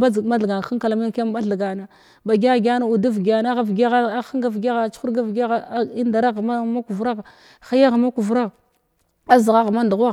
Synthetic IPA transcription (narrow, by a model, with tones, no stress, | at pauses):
ba˦˨ma˦ɬɡa˨xa˦ka˨la˨mi˦ka˦m˦ba˦ɬa˨ɡa˨na˨ | ba˨ɡʲa˦˨ɡʲa˦na˦u˨du˦vɡa˨na˦ɣa˦vɡa˦ɣa˦xa˦ŋɡa˨vɡa˦ɣa˨t͡ʃxu˦ɾɡa˦vɡa˦ɣi˦nda˨ɾa˦ɣma˦ma˦ku˨vɾa˦ɣ | xa˦ja˦ɣa˨ma˦ku˨vɾa˦ɣ | a˦zi˨ɣa˦ɣma˦ndu˨ɣa˦